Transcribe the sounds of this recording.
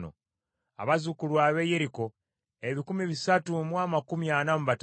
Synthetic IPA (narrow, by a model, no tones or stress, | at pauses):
no̰ | a̰βazukulwaːβeje̞ɾiko̞ | eβikumiβisatumwaːmakumijanamuβat